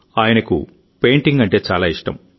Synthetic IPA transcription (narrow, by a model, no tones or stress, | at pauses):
aːjɐnɐkṵ | pe̞ːɳʈiŋɡɐɳʈe̞ːt͡ʃaːlaːiʂʈɐ̰m